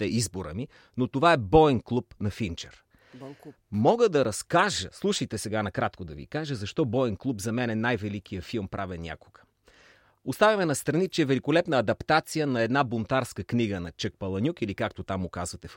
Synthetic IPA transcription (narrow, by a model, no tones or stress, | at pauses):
t̪ɛizboɾə̰mi | not̪ovaɛbɔɛnklˠupnɐfint͡ʃɛɾ | mɔɡəd̪ɐɾɐskaʒəslˠuʃəjt̪ɛsɛɡanɐkɾat̪kod̪ɐvḭkaʒəzɐʃt̪ɔbɔɛnklˠupzɐmɛnɛnajvɛlik̟ijəfilˠmpɾʔavɛnʲa̰ko̥ɡ̥ə̥ | ost̪avʲɐmɛnɐst̪ɾɐnit͡ʃɛɛvɛlikolɛpnɐːd̪ɐpt̪at̪sijənɐɛd̪nabont̪aɾskəkniɡənɐt͡ʃək̚pɐlˠɐnʲukilikakt̪ot̪amʊkazvɐt̪ɛf